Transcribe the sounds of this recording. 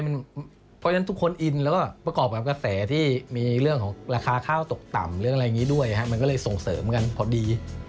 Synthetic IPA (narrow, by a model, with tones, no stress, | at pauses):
jma˧n | pʰɔ˦˥a˧˦˥t̪ʰu˦˥kʰːo˧nʔi˧nlɛː˦˥wkɔː˥˩pɾa˧kɔː˨˩p̚kaː˨˩ka˧sɛː˩˦t̪ʰiː˥˩miː˧ɾɯ˥˩əŋkʰɔː˩˦ŋɾaː˧kʰaː˧kʰaː˥˩wt̪o˨˩k̚t̪a̰˨˩mɾlɯ˥˩əŋa˧jːŋiː˦˥du˥˩əjʔa˨˩kʰa˦˥ʔma˧nkɔ˥˩lɤː˧jso˨˩ŋsɤː˩˦mka˧npʰɔ˨˩diː˧